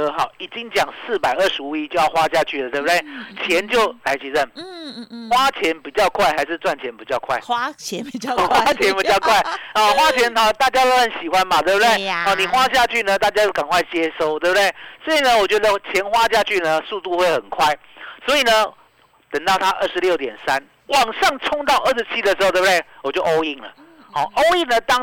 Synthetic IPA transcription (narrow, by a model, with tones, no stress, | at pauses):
xɑ˨˩ʊi˨˩t͡ɕi˦ŋt͡ɕjɑ˨˩ŋsɹ̩˥˨pa˨˩ɪə˥˩ʂɻ̩˧˦u˧˩i˦t͡ɕjo˥˧ʊjɑ˥˧xwa˥t͡ɕja˥˧t͡ɕʰy˥˩lə˨t̪we˥˩bu˨d̪e˥˩ɪt͡ɕʰjɛ˧˦nt͡ɕjo˥˩ʊla˧˥ɪt͡ɕʰi˨lə˥˩n | xwa˥t͡ɕʰjɛ˧˦npi˨˩t͡ɕjɑ˥˧ʊkʰwa˥˩ɪxa˧ɪʂɻ̩˥˧t͡swa˥˩nt͡ɕʰjɛ˧˦npi˨˩t͡ɕjɑ˥˧ʊkʰwa̰˥˩ɪ˧ | xwa˥t͡ɕʰjɛ˧˦npi˨˩t͡ɕjɑ˥˧ʊkʰwa˥˩ɪə˨xwa˦˥t͡ɕʰjɛ˧˦nɔ˨˧t̪a˥˩t͡ɕja˥t̪o˥ʊxə˨˦nɕi˨˩xwa˦nma˨t̪we˥˩bu˨d̪e˥˩ɪɔ˥˨˩ni˨˩xwa˦ɕ̬ja˥˧t͡ɕʰy˥˩nə˨t̪a˥˩t͡ɕja˥j̪o˥˩ka˨˩ŋkʰwa˥˩ɪt͡ɕjɛ˦˥ʂo˥˧ʊt̪we˥˩bd̪e˥˩ɪsɔ˧˥i˨˩nə˧˦wɔ˨˩t͡ɕɥɛ˧˦˥d̪ə˧t͡ɕʰjɛ˧˥nxwa˥ɕja˥˧t͡ɕʰy˥˩nə˨su˥˧t̪u˥˧xwe˥˩ɪxə˨˩nkʰwa˥˩ɪ | swɔ˧˦˥i˨˩nə˦ | t̪ə˨˩ŋt̪ɑ˥˩ʊt̪ʰa˦˥ʔə˥˩ʂɻ̩˧˦ljo˥˩ʊt̪̬jɛ̰˨˩nsa˦n | wɑ˨˩ŋʂɑ˥˨ŋt͡sʰʊ˥ŋt̪ɑ˥˧ʊʔə˥˩ʂɻ̩˧˥t͡ɕʰi˦˥d̪ə˨ʂ̬̩˧˥o˥˧t̬̪e˥˩ɪwɔ˨˩t͡ɕjo˥˧ʊʔo˥ʊi˥˩ŋlə̰˩ | xɔ˥˩ʔo˦˥ʊi˥˩ŋnə˨t̪ɑ˥